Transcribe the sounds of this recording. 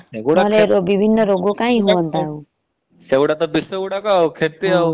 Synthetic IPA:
ɦleɾobibʱinːɔɾoɡokãĩɦuɔnt̪au | sewɽat̪ɔbisewɽakɔawkʰeɾt̪ia

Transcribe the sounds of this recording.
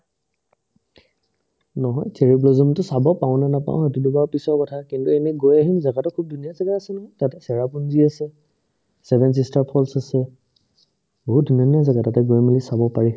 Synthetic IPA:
nɔɦɔjtʰeɹiblozɔmtʊsabɔpaʊ̃nanapã̰ʊ̃ɦetudubaɹpisɔɹkɔtʰakintuenɛɡojaɦimzaɡatɔkʰub̚dunijazaɡaasɛnɔɦɔjtatɛsɛɹapunziasɛ | sɛbʱɛns̬istaɹpʰɔlsasɛ | bɔɦut̚duniunijazaɡatatɛɡojmilisabɔpaɹi

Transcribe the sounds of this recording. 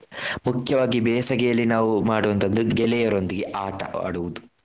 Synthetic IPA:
mukʰjɐʋaːɡibɛːsɐɡɛjɐlːinaːʋumaːɽuʋɐnt̪ɐd̪d̪uɡɛlɛjɐɾo̞nd̪iɡeʔaːʈɐʔa̰ːɽuʋud̪u

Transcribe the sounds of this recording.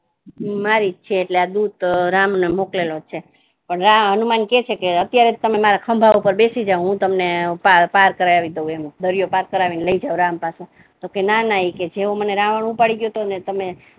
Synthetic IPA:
maɾit͡ʃʰeːʈlead̪ud̪̚ɾamnemoklelot͡ʃʰe | pəɳɾamənumanket͡ʃʰekeət̪jaɾet̪əmemaɾakʰəmbʱaʋupəɾbesid͡ʒaũɦũt̪əmnepapaɾkəɾaaʋid̪əũemd̪əɾijopaɾkəɾaʋineləid͡ʒauɾãmpase | t̪okenanaɦiked͡ʒeoməneɾãʋəɳupaɽiɡjot̪onet̪əme

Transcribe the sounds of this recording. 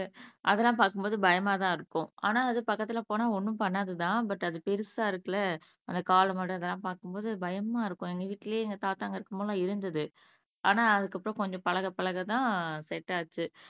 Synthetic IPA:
ʔɐðɛlːãːpaːɾkɯmboːðɯbɐjɐmaːt̪ãːɪɾɯkːʊ̃ʔa̰ːnaːɐðɯpɐkːɐt̪ːɪlɐpoːnaːɔɳːɯ̃pɐɳːaðɯt̪ãːbɐʈːɐðɯpɛɾɯsaːɪɾɯkːɐlɐ | ɐnd̪ɐkaːlɐmɐɽɯ̃ɐðɛlːãːpaːɾkɯmboːðɯbɐjɐmaːɪɾɯkːʊ̃ɛŋɡɐʋiːʈːɪljeːɛŋɡɐt̪aːt̪ːaːŋɡɐɪɾɯkːɐmʊlãːɪɾɯnd̪ɐðɯ | ʔa̰ːnaːɐðɯkːɐpːɯɾõkɔɲd͡ʒɔ̃pɐɭɐɣɐpɐɭɐɣɐt̪ãːsɛʈːaːt͡ʃːɯ

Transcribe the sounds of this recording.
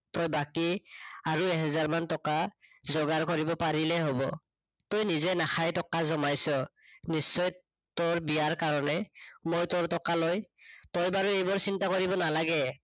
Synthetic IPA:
tɔjbakiaɹuɛɦɛzaɹmantɔkazɔɡaɹkɔɹibɔpaɹilɛɦobɔ̰ | tojnizɛnaxʰajtɔkazɔmajsɔ | nisːɔj | toɹbijaɹkaɹɔnɛmojtoɹtɔkalojtɔjbaɹuejbɔɹsintakoɹibɔnalaɡɛ

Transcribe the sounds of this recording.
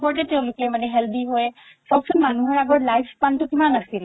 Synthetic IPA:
pɔɹtɛteʊ̃lʊklemanɛɦɛld̪iɦojɛ | sɔbsʰɔnmanuɦɔɹaɡɔɹlajpspantʊkimanasil

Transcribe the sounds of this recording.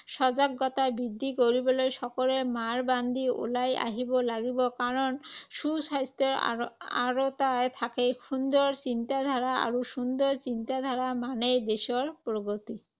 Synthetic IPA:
ʃɔzaɡːɔt̪abid̪ʱːikoɹibɔlojsɔkɔlemaɹband̪ʱiṵlaja̰ɦibɔlaɡibɔkaɹɔnsusajst̪ɔɹa̰ɹot̪ajt̪ʰakejxund̪ɔɹsint̪ad̪ʱaɹaa̰ɹuʃund̪ɔɹsint̪ad̪ʱaɹamanejd̪esɔɹpɹoɡot̪i

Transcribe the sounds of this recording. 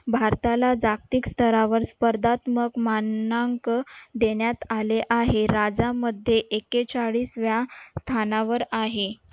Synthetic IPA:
bʱaɾt̪alad͡zak̚t̪ikst̪ʰəɾaʋəɾspəɾd̪at̪məkmanaŋkd̪eɳjat̪aleʔaɦeɾad͡zaməd̪ʱːjeʔeket͡saɭiːsʋjast̪ʰanaʋəɾaɦe

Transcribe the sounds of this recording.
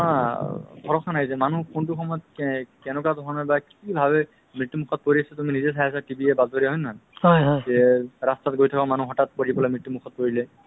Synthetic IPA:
adʰɔɹɔkʰanajzɛmanukuntuxʰɔmɔjɔt̪̚kɛnɔkadʱɔɔnɔɹbakibʱaβɛ | mɹitːumukʰɔt̚poɹiasatuminizɛs̬ajasatibiɛbaztɔɹiaɦɔjnahɔjɦɔjzɛɹastat̚ɡojtʰakamanuɦɔtat̚poɹibɔlajmɹitːumukʰɔt̚poɹilɛ

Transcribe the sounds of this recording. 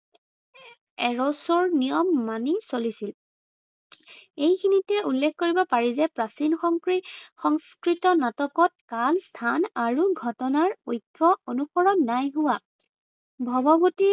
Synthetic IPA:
ɛɹɔsɔɹnijɔmːanisolisil | ejkʰinitɛulːekʰkoɹibɔpaɹizɛpɹasinxɔŋkɹixɔŋskɹitɔnatɔkɔt̚kalstʰanaɹuɡʱɔtɔnaɹojkʰːɔonuxɔɹɔnːajɦʊwa | bʱɔbɔboti

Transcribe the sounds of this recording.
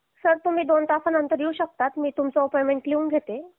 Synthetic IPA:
səɾt̪um̤iːd̪ont̪afanənt̪əɾjeuɕək̚t̪at̪miːt̪umt͡sɔopojmeɳʈ̚liũːŋɡʱet̪e

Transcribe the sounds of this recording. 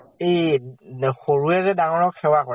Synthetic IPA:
ej | xoɹuɛzɛdaŋɔɹɔkxɛwakɔɹ

